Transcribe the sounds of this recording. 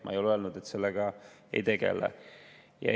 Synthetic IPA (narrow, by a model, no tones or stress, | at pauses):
mɑ̰ejolølnud̪̥et̪ːse̞lːeɡ̥ɑ | ḛjt̪e̞ɡḛlɛ̰ | jɑ̰